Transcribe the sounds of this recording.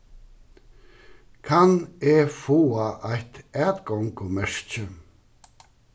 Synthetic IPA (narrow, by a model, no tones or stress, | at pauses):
kʰaneːfoːaʔajt̪ɛːt̪ɡɔŋkʰɔmɛʂt͡ʃə